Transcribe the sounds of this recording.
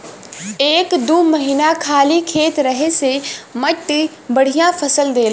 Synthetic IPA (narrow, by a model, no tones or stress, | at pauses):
eːkd̪uːmɐɦiːnakʰaːlikʰeːt̪ɾɐɦesemɐʈː | bɐɽ̤ʱijãfɐsəld̪eːl